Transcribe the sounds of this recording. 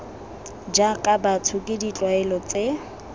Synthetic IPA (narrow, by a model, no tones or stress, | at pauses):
d͡ʒakʼabatʰʊkʼɪdit͡ɬʼwaɛlɔt͡se